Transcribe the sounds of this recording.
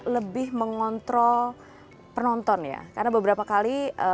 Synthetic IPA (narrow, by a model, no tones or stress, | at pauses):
ləbɪhməŋɔnt̪ɾɔ | pənɔnt̪ɔnja̰karnabəbəɾapakaliʔə